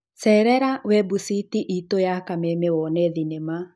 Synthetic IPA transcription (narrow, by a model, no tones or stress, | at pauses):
sɛɾɛɾawɛbusitiʔitojakamemewɔnɛðinema